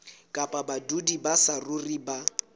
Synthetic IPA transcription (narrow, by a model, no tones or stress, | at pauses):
kʼapʼabadudibasarʊriba